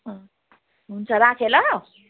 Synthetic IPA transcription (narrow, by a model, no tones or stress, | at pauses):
ɦʌ̃ | ɦunt͡sʰʌɾakʰelʌ